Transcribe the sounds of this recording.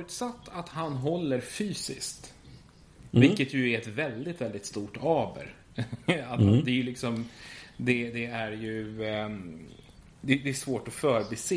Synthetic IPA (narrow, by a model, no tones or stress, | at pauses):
fɾʉ̟ːt̪sat̪ːat̪hanɦɔlːəɾfyːsɪskt̪ | vɪlkːət̪jɵæɾɛt̪vɛld̪ɪt̪vɛld̪ɪt̪st̪uːʈɑːbə̰ɾ | at̪hand̪ɛjlɪksɔmd̪ɛd̪ɛæɾjɵ | d̪ɛd̪ɛæʂvoːʈɔfœːɾbɛseː